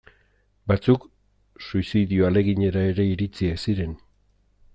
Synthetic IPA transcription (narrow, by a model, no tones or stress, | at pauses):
bat͡suk | suisiðioale̞ɣiɲe̞ɾae̞ɾe̞iɾit͡siesiɾe̞n